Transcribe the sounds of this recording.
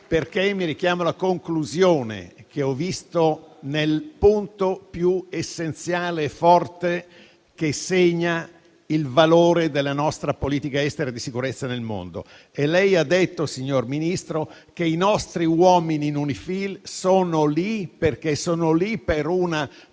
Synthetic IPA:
perkemːiɾik̟jaːmolakoŋkluzjoːnḛk̟eɔvist̪onelpunt̪opjuesːent̪sjaːleːfːɔrt̪e | k̟eseɲːa | ilvaloːɾed̪elːanɔst̪ɾapoliːt̪ikaɛst̪eɾad̪isikuɾet̪sːanelmo̰nd̪o̰ | elɛjad̪ːet̪ːosiɲːorminist̪ɾo | keinɔst̪ɾiwɔːminiːnunifilsoːnoliperkesoːnolipeɾuna

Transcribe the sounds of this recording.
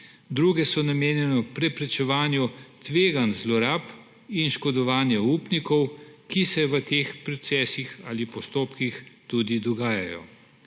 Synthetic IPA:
d̪ɾuːɡɛsɔnameːnjɛnɔpɾɛpɾɛt͡ʃɛʋaːnjut̪ʋeːɡanzlɔɾaːp | inʃkɔd̪ɔʋaːnjɛupnikɔwkisɛʋət̪eːxpɾɔt̪sɛːsixaːlipɔst̪oːpkixt̪ud̪id̪ɔɡaːjajɔ̰

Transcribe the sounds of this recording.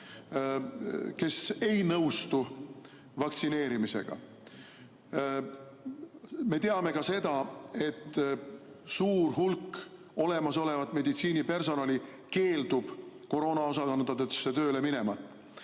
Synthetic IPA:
ke̞se̞jnɤwst̪u | vɑkt̪sine̞ːɾimise̞̰ɡ̥ɑ̰ | me̞t̪e̞ɑme̞kɑse̞d̪̥ɑe̞t̪ː | suːrɦulk | o̞le̞mɑs̬o̞le̞vɑt̪ːˑme̞d̪it̪siːnipe̞rs̬o̞nɑli | ke̞ːld̪̥ub̥ko̞ɾo̞ːnɑo̞sɑkɑnd̪ɑt̪øt̪sːet̪ø̞ːle̞mine̞mɑt̪ːˑ

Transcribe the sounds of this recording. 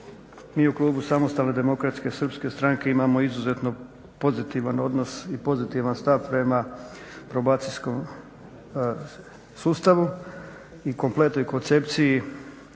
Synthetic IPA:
miːuklˠuːbusamost̪alne̞d̪e̞mokɾat̪ske̞sr̩pske̞st̪ɾaŋke̞imaːmo̞izuze̞t̪no̞ | po̞zit̪iʋano̞d̪no̞sipo̞zit̪iʋanst̪aʋpɾe̞ma | pɾo̞baːt̪sijsko̞m | suːst̪aʋu | iko̞mplˠe̞t̪no̞jkont̪se̞pt̪siji

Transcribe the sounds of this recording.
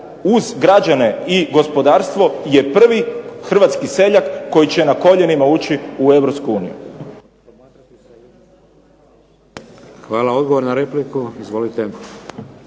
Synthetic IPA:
uzɡɾad͡ʒane̞iɡo̞spo̞d̪aːɾst̪ʋo̞je̞pr̩ʋixr̩ʋat̪skise̞ʎakːo̞jit͡ɕe̞nako̞ʎe̞nimauːt͡ɕiue̞ʋɾopskuuːnḭjṵ | xʋaːlao̞d̪ɡoʋoɾnaɾeplikuizʋo̞lit̪e

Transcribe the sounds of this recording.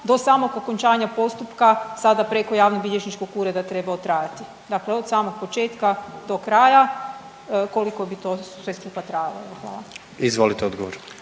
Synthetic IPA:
d̪o̞saːmo̞ɡoko̞ɲt͡ʃaːɲapo̞st̪upkasad̪apɾe̞ko̞jaːʋnobiʎʲeʃnit͡ʃkokuːɾed̪at̪ɾe̞baot̪ɾaːjat̪i | d̪akleo̞d̪saːmo̞ɡ̚po̞t͡ʃe̞ːt̪kad̪o̞kɾaːja | ko̞likobit̪o̞sʋe̞skupat̪ɾajaloeʋoxʋa̰ːlˠa̰ | izʋolit̪eod̪ɡoʋoɾ

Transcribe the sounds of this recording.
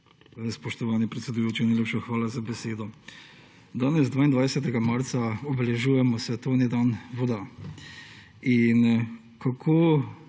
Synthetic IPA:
spɔʃt̪ɔʋaːnipɾɛt̪sɛd̪ujoːt͡ʃinajleːpʃaxʋaːlazabɛseːd̪ɔ | d̪aːnɛzd̪ʋaːind̪ʋaːjsɛt̪̬ɛɡamaɾt̪saɔbɛlɛʒuːjɛmɔsʋɛt̪oːnid̪aːnʋɔd̪a | in | kakʰoː

